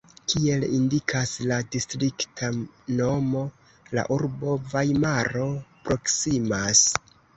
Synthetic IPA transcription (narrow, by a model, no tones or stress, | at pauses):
kʰie̞lindikʰasladistɾiktʰano̞mo̞ | la̰ʔuɾbo̞vajmaɾo̞pɾo̞ksimas